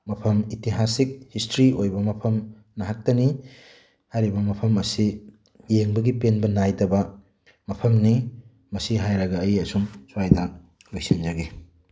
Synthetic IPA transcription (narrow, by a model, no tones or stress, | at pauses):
mɐpʰɐmitiɦasik̚histɾiojbɐmɐpʰɐm | nɐɦak̚tɐni | hajɾibɐmɐpʰɐmɐsi | jeŋbɐɡipenbɐnajdɐbɐ | mɐpʰɐmni | mɐsiɦajɾɐɡɐːjɐsumsuajdɐ | lojsind͡ʒɐɡi